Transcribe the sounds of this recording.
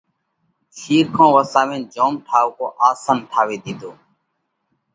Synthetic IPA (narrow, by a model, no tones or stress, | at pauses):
ʃiːɾkʰãːʋəsaːʋẽːnd͡ʒoːmʈʰaːʋkoːʔaːsaːnʈʰaːʋeːd̪iːd̪oː